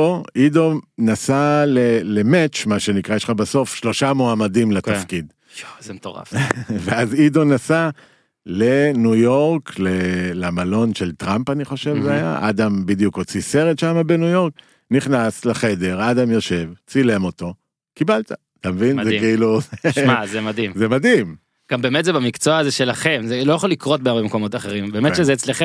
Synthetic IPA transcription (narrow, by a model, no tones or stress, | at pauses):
oʔido̞nasalelemet͡ʃmaʃe̞nikʁaʃχabaso̞fʃlo̞ʃamoamadimlet̪afkid | zmtoʁa̰fveazido̞nasa | lenujo̞ʁklelamalo̞nʃe̞lt̪ʁampaniχo̞ʃe̞vzeaja̰ʔa̰dambid̪jukot͡sise̞ʁetʃamabe̞nujo̞ʁk̚ | niχnaslaχe̞de̞ʁad̪amjo̞ʃe̞vt͡silemo̞t̪o̞ | kibalt̪aat̪amevinzekeiluzeʃmazemadimzemadim | ɡ̥ambeemetzebamikt͡soaːzeʃe̞laχe̞mzelojaχolikʁo̞t̚beɡabemko̞mo̞t̪aχe̞ʁimbeːmeʃezeːt͡sleχe